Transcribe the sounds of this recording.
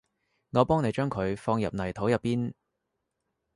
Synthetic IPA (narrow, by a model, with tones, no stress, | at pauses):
ŋɔː˨˧pɔː˥ŋne˨˧jt͡ʃœː˥ŋkʰɵ˨˧ɥfɔː˧ŋjɐ̰˨p̚nɐ˨˩jt̪ʰo˨˥wjɐ˨pːiː˥n